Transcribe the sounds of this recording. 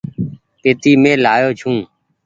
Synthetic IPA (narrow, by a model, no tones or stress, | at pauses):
peːt̪iːmẽːlaːjoːd͡ʒʱũː